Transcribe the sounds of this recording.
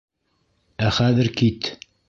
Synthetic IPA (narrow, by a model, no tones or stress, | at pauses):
æχæðɘɾkit̪